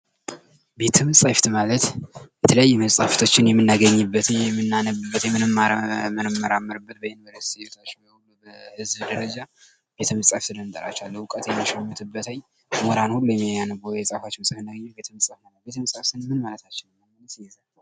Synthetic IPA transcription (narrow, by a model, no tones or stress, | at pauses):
be̞t̪ʰəmɨsʼaft̪malət̪jɛt̪ʰələjajːɛməsʼaft̪ʰot͡ʃːɪnjɛmːɨnːaɡəɲːɨbːət̪ɛmːɨnːanəbɨbːət̪jɛmːɨnɨmːamənmːəɾamːəɾɨbːət̪bəhɛnvəɾəssot̪ʰat͡ʃːbəhulːubəhɨzbd̪əɾəd͡ʒa | b̥e̞t̪ʰəməsʼaft̪ʰɨd̪ənd̪ʼəɾa̰t͡ʃːalːəʊkʼət̪jɛmːiʃɛmːɨt̪ʰɨbːət̪ʰaj | moɾanhulːujɛmːijajanəbwɛsʼafot͡ʃːməsʼafɨnːaɡəɲːabe̞t̪ʰəmɨsʼafnaləbet̪ʰəməsʼaft̪ɨnmɨnmalət̪ʰat͡ʃːɪnmːaalət̪ijɛzalː